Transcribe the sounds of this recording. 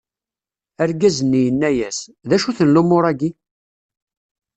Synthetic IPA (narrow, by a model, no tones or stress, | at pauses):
æɾɡæzənːijənːæjæsðæʃuθənlumʊɾˤæɡi